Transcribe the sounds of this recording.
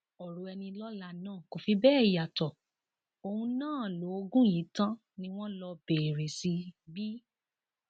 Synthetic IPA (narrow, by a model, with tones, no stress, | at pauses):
ɔ˨ɾo˨˦ɛ˧nĩ˧lɔ˦la˧˨nãː˦˨ko˨fi˧˦bɛː˦˨i˨ja˨tɔ˨ | o˧hũ˧nãː˦˨lo˨˦o˧ɡũ˦jĩ˨˦tã˦ | nĩ˧˦w̃ɔ̃˦lɔ˧be˨ɾe˨si˧bi˦